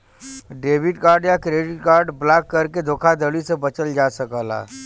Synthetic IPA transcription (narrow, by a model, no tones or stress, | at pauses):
ɖeːbɪʈkaːɾɖjakɾeːɖɪʈkaːɾɖblaːkːɐɾked̪ʱoːkʰad̪əlisebɐt͡ʃəld͡ʒaːsəkaːla̰ː